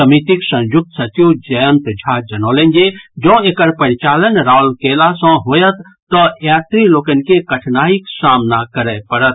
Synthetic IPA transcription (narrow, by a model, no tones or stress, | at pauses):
ɐmit̪iksɐ̃jʊk̚t̪sɐt͡ʃid͡ʒɐjə̃nt̪d͡ʒʱad͡ʒɐnɔːlẽnd͡ʒed͡ʒɔ̃ːekəɾpəɾɪt͡ʃaːlənɾaːlkelasɔ̃ɦoːjət̪ːɔjaːt̪ɾiloːkən̆kekəʈʰnaːiksaːmnakəɾɛpəɾət̪